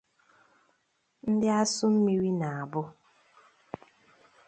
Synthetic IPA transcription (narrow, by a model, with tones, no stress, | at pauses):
n̩˦dɪ˦a˦sʊ˦m̩˦mi˦wi˦na˨a˨bʊ˦